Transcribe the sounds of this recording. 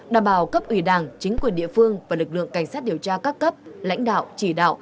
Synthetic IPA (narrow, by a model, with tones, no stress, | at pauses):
ɗaː˨˩mɓaː˨˩wkə˦˥p̚ʔwi˧˩ɗaː˨˩ŋt͡ɕï˨˦ŋ̟kwi˨˩ənɗḭ˧˨əfɨ˧əŋvaː˨˩lɨ˨˩k̚lɨ̰˧˨əŋka˧˩jŋsaː˦˥t̚ɗi˨˩əwt͡ɕaː˧kaː˦˥kːə˦˥p̚la̰˧˥jŋ̟ɗa̰ː˧˨wt͡ɕi˧˩ɗa̰ː˧˨wʔ